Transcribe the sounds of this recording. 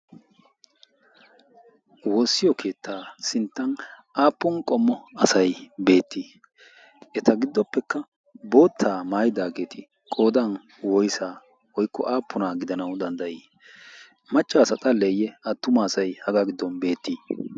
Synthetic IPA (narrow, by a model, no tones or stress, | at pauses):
woːsːɪjɔkʰe̞ːt̪ːaːsɪnt̪ːɐn | ʔaːpːɔnkʼɔmːɔɐsɐjbe̞ːt̪ːiː | ʔɛt̪ɐɡɪd̪ːɔpːɛkːɐ | bo̞ːt̪ʰːaːmaːjɪd̪aːɡe̞ːt̪ʰɪ | kʼo̞ːd̪ɐn | wɔjsaː | wɔjkːɔ̰ʔaːpːʊnaːɡɪd̪ɐnɐwd̪ɐnd̪ɐʔiː | mɐt͡ʃʼːaːsɐt̪ʼɐlːɛjɛɐt̪ːʊmaːsɐjhɐɡaːɡɪd̪ːɔnbe̞ːt̪ːiː